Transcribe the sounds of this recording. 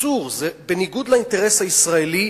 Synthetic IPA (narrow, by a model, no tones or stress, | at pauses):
uʁzɛbeniɡud̪laint̪ɛɾɛsaisʁaeli